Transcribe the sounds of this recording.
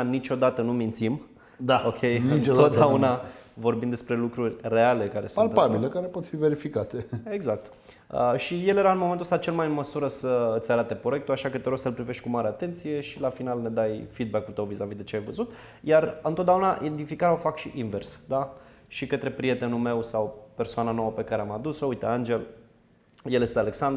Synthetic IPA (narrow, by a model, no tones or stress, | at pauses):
nit͡ʃo̞d̪at̪ənumint̪sim | d̪ao̞kʰʲe̞jnɨint̪od̪aunavo̞rbimd̪e̞spɾe̞lukɾurʲre̞ale̞kaɾe̞sualpabilekaɾepo̞t̪five̞ɾifikat̪ee̞ɡzak̚t̪ | ə̰ʃije̞lje̞ɾaɨnmoment̪uəst̪at͡ʃe̞lmajɨnməsuɾəsəɨt̪sʲaɾat̪e̞poe̞k̚t̪uaʃakət̪eɾosəlpɾive̞ʃt̪ʲkumaɾeat̪e̞nt̪sije̞ʃilafinalne̞d̪ajfid̪̚bakːut̪əwvizavid̪e̞t͡ʃeajvəzut̪ | jarɨnt̪ot̪d̪eaunaʔed̪ifikaɾaofakʃiʔinversd̪aʃikət̪ɾe̞pɾije̞t̪e̞nume̞wsawpe̞rsoananowəpe̞kaɾeamad̪usoujt̪eand͡ʒe̞l | jelje̞st̪eale̞ksand̪